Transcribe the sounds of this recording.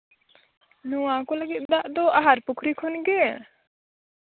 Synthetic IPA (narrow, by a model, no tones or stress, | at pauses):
nuwakɔlaɡit̪̚d̪aʔd̪ɔaɦaɾpukʰɾikʰɔnɡɛ